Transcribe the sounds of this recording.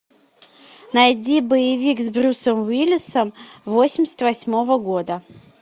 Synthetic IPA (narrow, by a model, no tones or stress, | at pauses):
nɐjdʲibəjɪvʲikzbɾʲusəmvilʲɪsəmvosʲɪmʲɪsʲə̥t̪ʲvɐsʲmo̞vəɡo̞d̪ə